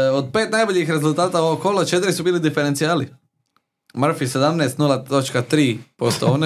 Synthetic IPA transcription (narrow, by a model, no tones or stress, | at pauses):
od̪̚peːt̪najboʎixɾezulˠt̪aːt̪aoʋokːolˠat͡ʃet̪ɾisubiːlid̪ifeɾent̪sijaːli | mr̩fise̞d̪amneːst̪nulˠat̪o̞t͡ʃkat̪ɾiːpost̪oone